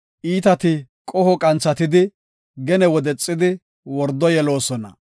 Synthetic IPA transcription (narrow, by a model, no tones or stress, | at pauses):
ʔiːt̪ɐt̪ɪ | kʼɔhɔkʼɐnt͡sːɐt̪ɪd̪ɪ | ɡɛnɛwɔd̪ɛt͡sʼːɪd̪ɪ | wɔɾd̪ɔjɛlo̞ːsɔnɐ̰